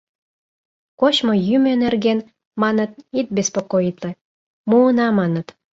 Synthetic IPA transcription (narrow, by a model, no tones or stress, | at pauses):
koɕmojymenerɡen | mɑnə̆t̪̚it̪̚bʲespokoit̪le | muːnɑmɑnə̆t̪